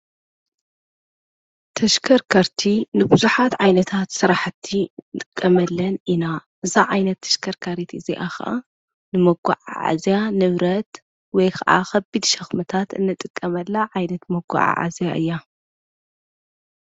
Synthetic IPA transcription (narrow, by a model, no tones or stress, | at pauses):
t̪ʰɐʃkʰɐɾkʰɐɾt̪ʰinɨbuzuħat̪ʕajnɐt̪ʰat̪sɨɾaħt̪ʰːit̪ʼɨkʼːɐmɐlːɐninaʔɨzaʕajnɐt̪ʰːɐ̥ʃkʰɐɾkʰaɾit̪ɨziʔaxa̰ʔa | nɨmɐɡṵʕa̰ʕa̰zjanɨβɾɐt̪ | wɔjkʰɐʔa̰xɐbid̪ʃɐxmɐt̪ʰat̪ɨnːɨt̪ʼɨkʼːɐmɐlːaʕajnɐt̪mɐɡṵʕa̰ʕa̰zjaʔɨjːa